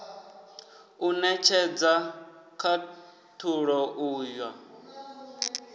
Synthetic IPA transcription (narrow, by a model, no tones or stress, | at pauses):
unɛt͡ʃʰɛd͡zakʰa | tʰuɺɔʔuːjwa